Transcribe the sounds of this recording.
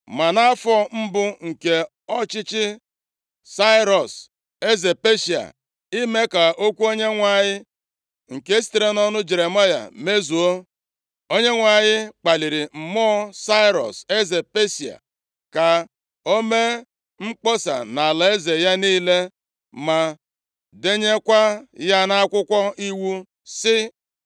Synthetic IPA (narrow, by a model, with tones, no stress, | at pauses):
ma˨na˦fɔ˦m̩˦bʊ˦ŋ̩˨ke˨ | ɔ˦t͡ʃɪ˦t͡ʃɪ˦ | sa˦ɪ˦ɾɔ˨s | e˦ze˨pe˦si˨a̰˨ | i˦me˦ka˨o˦kʷu˦o˦ɲe˦ŋʷa˨ɲɪ˦ | ŋ̩˨ke˦si̥˨˦t̪e˦ɾe˦nɔ˦nʊ˦d͡ʒe˨ɾe˨ma˦ja̰˨me˦zu˨o˦ | o˦ɲe˦ŋʷa˨ɲɪ˦k͡pa˨li˨ɾi˨m̩˨mɔ˦sa˦ɪ˦ɾɔ̰˨se˦ze˨pe˦si˨a̰˨ | ka˨ | o˦me˦ | ŋ͡m̩˦k͡pɔ˦sa̰˨na˨la˨e˦ze˨ja˦niː˦le˦ | ma˨ | de˦ɲe˦kʷa˦ja˦na˦kʷʊ˦kʷɔ˦i˦wu˦ | sɪ˦